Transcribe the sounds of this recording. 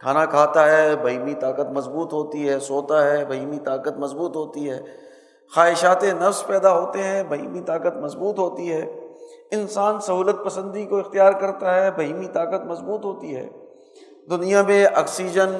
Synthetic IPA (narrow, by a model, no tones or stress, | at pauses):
kʰaːnakʰaːt̪aɦɛːbʱɐɦiːmit̪aːkət̪mɐzbuːt̪ɦoːt̪iɦɛːsoːt̪aɦɛːbɐɦiːmit̪aːkət̪mɐzbuːt̪ɦoːt̪iɦɛː | xaːɦɪʃaːt̪ẽnɐfspɛːd̪aɦoːt̪eɦɛ̃bɐɦḭːmit̪aːkət̪mɐzbuːt̪ɦoːt̪iɦɛːɪnsaːnsɐɦuːlət̪̚pɐsə̃nd̪ikoɪxt̪ijaːɾkɐɾt̪aɦɛbɐɦiːmit̪aːkət̪̚mɐzbuːt̪ɦoːt̪iɦɛ̰ː | d̪ʊnijãmẽʔɔ̰ːksiːd͡ʒən